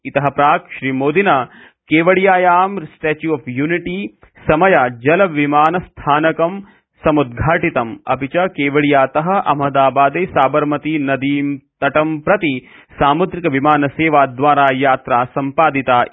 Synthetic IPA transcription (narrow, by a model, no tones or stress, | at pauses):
it̪ɐɦɐpɾaːkʃɾiːmoːd̪inaː | keːʋɐɭjaːjaːmsʈeːt͡ʃjuɐːfjuːniʈi | sɐmɐjaːd͡ʒɐlɐʋimaːnɐst̪ʰaːnɐkɐm | sɐmud̪ɡʱaːʈit̪ɐmɐ̰pit͡ʃɐkeːʋɐɭijaːt̪ɐɦɐ̆ʔɐ̰mɐd̪aːbaːd̪eːsaːbɐɾmɐt̪inɐd̪iːmt̪ɐʈɐmpɾɐt̪isaːmud̪ɾikɐʋimaːnɐseːʋaːd̪ʋaːɾaːjaːt̪ɾaːsɐmpaːd̪it̪aː